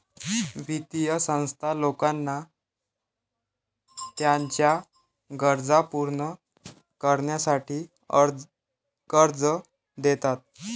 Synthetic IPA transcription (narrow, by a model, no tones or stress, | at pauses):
ʋit̪ijəsə̃w̃st̪ʰalokanːa | t̪jaɲt͡ɕja | ɡəɾd͡zapuɾɳə | kəɾɳjasaʈʰiː | kəɾd͡zə | d̪et̪at̪̚